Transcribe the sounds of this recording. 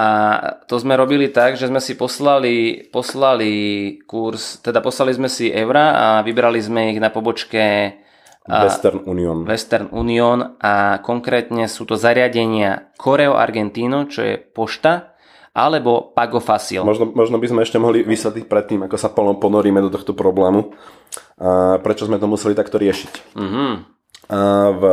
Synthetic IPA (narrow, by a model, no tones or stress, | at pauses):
ʔat̪ɔzmɛɾɔbilit̪aɡʒɛzmɛsipɔslalipɔslalikuɾst̪ɛd̪apɔslalizmɛsiʔɛʊɾaa̰ʋibɾalizmɛiɣnapɔbɔt͡ʃkɛ | ɛst̪ɛɾnuːniɔnʋɛst̪ɛɾnṵːniɔnʔakɔŋkɾɛːt̪ɲɛsuːt̪ɔzaɾɪaɟɛɲɪakʰɔɾɛɔʔa̰ɾɡɛnt̪iːnɔt͡ʃɔ̰jɛ̰pɔʃt̪a | ʔa̰lɛbɔpaɡɔfasḭlmɔʒnɔmɔʒnɔbizmɛɛʃcɛmɔɦliʋisʋɛt̪lic̚pɾɛt̪ːiːmakɔsapɔpɔnɔɾiːmɛd̪ɔt̪ɔxt̪ɔpɾɔblɛːmu | pɾɛt͡ʃɔzmɛt̪ɔmusɛlit̪akt̪ɔɾɪɛʃi̥c̩ːɦ̩ | v